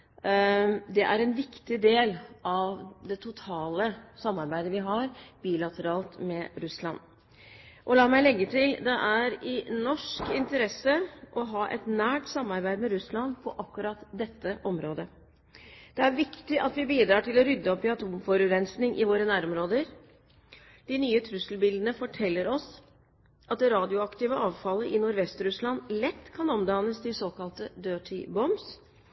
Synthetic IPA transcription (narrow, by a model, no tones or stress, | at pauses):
d̪ɛʔæɾɛnʋɪkt̪ɪd̪eːlɑʋd̪ɛt̪ʰʊt̪ʰɑːləsɑmːɑɾbæɪd̪əʋɪɦɑɾb̥iːlɑt̪ʰəɾɑːlt̪mɛɾʉslɑ̰nː | ʔɔlɑːmæɪlɛɡːət̪ʰɪld̪ɛʔæɾɪnɔʂkɪnt̪əɾɛsəʔɔɦɑːʔɛ̰t̪næːʈsɑmːɑɾbæɪd̪mɛɾʉslɑnpʰɔʔɑkːʉɾɑt̪d̪ɛt̪ːəʔɔmɾoːd̪ə | d̪̥ɛæɾʋɪkt̪ɪʔɑt̪ʋɪbiːd̪ɾɑːʈʰɪlɔɾʏd̪ːəɔpːɪɑt̪ʰuːmfɔɾʉɾɛnsnɪŋʔɪ̰ʋoːɾənæːɾɔmɾoːd̪əɾ | d̪̥ɪnyːət̪ʰɾʉsəlbɪld̪ən̩əfɔʈʰɛlːəɾɔs | ʔɑt̪̚d̪ɛɾɑːd̪ɪʊɑkt̪ɪːʋəʔɑːʋfɑlːəʔɪnʊɾʋɛst̪ɾʉslɑnlɛt̪ːkʰɑnɔmd̪ɑːnəsd̪ɪsoːkɑlt̪əd̪øːʈʰɪbɔms